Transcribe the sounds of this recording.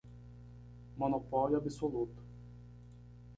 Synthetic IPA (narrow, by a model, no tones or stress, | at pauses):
monopɔljuabisolut̪ʊ̥